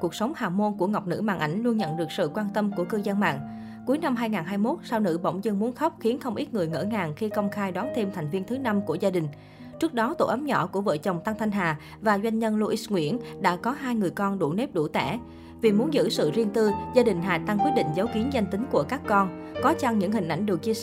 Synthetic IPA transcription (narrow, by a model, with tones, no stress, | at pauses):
ku˨˩ək̚sə˨˦wŋ͡mhaː˨˩mo˧nku˧˩əŋa˨˩wk͡p̚nɨ̰˧˥ma̰ː˨nʔa˧˩jŋ̟lu˧ənɲə̰˧˨nɗɨ˨˩ək̚sɨ̰˧˨kwaː˧nt̪ə˧mku˧˩əkɨː˧zə˧nma̰ː˧˨ŋ | ku˨˦əjna˧mɦaː˧jŋaː˨˩nɦaː˧jmo˦˥t̚sa˧wnɨ̰˧˥ɓə̰˧˩wŋ͡mzɨ˧nmu˨˦ənxə˦˥wk͡p̚xi˨˦ənxə˧wŋ͡mʔi˦˥t̚ŋɨ˨˩əjŋə̰ː˧˩ŋaː˨˩ŋxi˧kə˧wŋ͡mxaː˧jɗwaː˨˦nt̪ʰe˧mt̪ʰa˨˩jŋ̟vi˧ənt̪ʰɨ˨˦na˧mku˧˩əzaː˧ɗï˨˩ŋ̟ | t͡ɕɨ˦˥ək̚ɗɔ˨˦t̪o̰˧˩ʔə˨˦mɲɔ̰˧˩ku˧˩əvə̰ː˧˨t͡ɕə˨˩wŋ͡mt̪a˧ŋt̪ʰa˧jŋ̟ɦaː˨˩ | vaː˨˩zwa˧jŋ̟ɲə˧nlu˧ʔi˦˥sŋwḭ˧˥ənɗa̰ː˧˥kɔ˨˦ɦaː˧jŋɨ˨˩əjkɔ˧nɗu˧˩ne˦˥p̚ɗu˧˩t̪ɛ̰˧˩ | vi˨˩mu˨˦nzɨ̰˧˥sɨ̰˧˨zi˧ənt̪ɨ˧zaː˧ɗï˨˩ŋ̟ɦaː˨˩t̪a˧ŋkwi˦˥t̚ɗḭ˧˨ŋ̟zə˨˦wki˨˦ənza˧jŋ̟t̪ï˨˦ŋ̟ku˧˩əkaː˦˥kːɔ˧nkɔ˨˦t͡ɕa˧ŋɲɨ̰˧˥ŋhï̟˨˩ʔa˧˩jŋ̟ɗɨ˨˩k̚t͡ɕi˧ə˧